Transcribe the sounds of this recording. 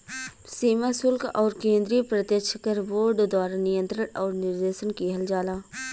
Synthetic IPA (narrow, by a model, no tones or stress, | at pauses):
siːmasʊlkʰɔːɾkẽːnd̪ɾipɾət̪jəkt͡ʃʰkəɾʋoːɾɖd̪waːɾanɪjə̃nt̪ɾənɔːɾnɪɾd̪eːʃənkiɦɐld͡ʒaːlaː